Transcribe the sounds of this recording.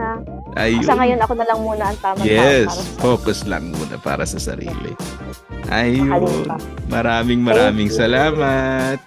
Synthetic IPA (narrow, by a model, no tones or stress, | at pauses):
ʔɐjoɐŋɐjonɐkonɐlɐŋmuːnɐɐŋt̪aːmjɛspoːkoslɐ̰ŋmṵːnɐ̰pa̰ːɾɐsɐsɐ̰ɾḭːlɪ̰ | ʔɐjon | mɐɾaːmɪŋmɐɾaːmɪŋsɐlaːmɐt̪̚